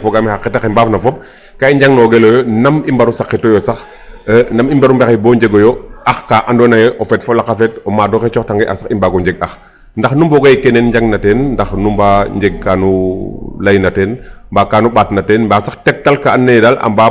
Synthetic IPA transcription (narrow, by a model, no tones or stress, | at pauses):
fɔɡamixakːɛtaximbaːfnɐfɔp̚ | kaiɲɟaŋnɔɡelojɔnɐmimbɐɾusakːitɔjɔsɐx | nɐmimbaɾumbɛxibɔːɲd͡ʒeɡɔjɔʔaxkaʔandɔnajɛʔɔfɛtfɔlakafɛtɔmaːdɔkɛt͡ʃɔxtaŋɡɛʔa̰saximbaɡɔɲɟɛɡ̚ɐx | ndɐxnumbɔɡaikɛnenɲɟaŋnatɛːnndɐxnumbaɲɟɛɡ̚kanulajnatɛːnmbaːkaːnuɓaːtnatɛːnmbaːsaxtɛk̚talkaanːejdala̰mba